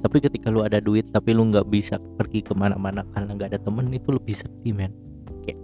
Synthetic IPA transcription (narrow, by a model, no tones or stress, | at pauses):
t̪apikət̪ikaluadaduɪt̪ːapiluŋɡaʔbisapərɡikəmana̰ʔ̚manakarənaŋɡaːdat̪əmənit̪uləbɪhsərt̪imɛn | oke